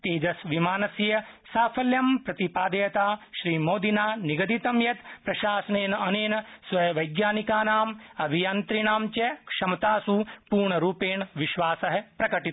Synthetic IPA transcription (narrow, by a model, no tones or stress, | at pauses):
t̪eːd͡ʒɐsʋimaːnɐsjjɐ | saːpʰɐljɐmpɾɐt̪ipaːd̪ɐjɐt̪aːʃɾiːmoːd̪inaːniɡɐd̪it̪ɐmjɐt̪pɾɐʃaːsɐneːnɐɐneːnɐsʋɐjʋɐjɡjaːnikaːnaːmɐbʱijaːnt̪ɾiɳaːmt͡ʃɐkʂɐmɐt̪aːsupuːɾɳɐɾuːpeːɳʋiʃʋaːsɐɦɐpɾɐkɐʈi